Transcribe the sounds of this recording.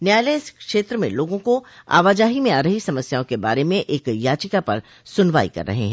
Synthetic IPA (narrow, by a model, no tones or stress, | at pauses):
njaːjleːskʃeːt̪ɾəmḛ̃loːɡõkoa̰ːʋaːd͡ʒaːɦimẽaːɾəɦisɐməsjaːõkeba̰ːɾemẽʔeːkjaːt͡ʃɪkapɐɾ | sʊnʋaːḭkɐ̰ɾːɐ̰ɦḛɦɛ̃ː